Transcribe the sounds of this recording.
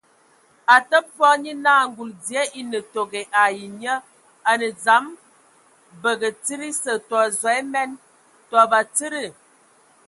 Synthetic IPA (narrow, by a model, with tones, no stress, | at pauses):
a˨tə˦p̚bɔ˦ɲi˦naː˦˨ŋ˦ɡu˨ldi˨ə˦ʔi˦nə˨to˨ɡe˨ʔa˨ji˨ɲə˦ | a˨nə˨d͡za˨˦m | bə˨ɡə˨t͡si˦ɾi˦sə˨tɔ˨zwa˨˦e˦mɛ˦n | twɔ˨ba˨t͡si˦ɾi˦˨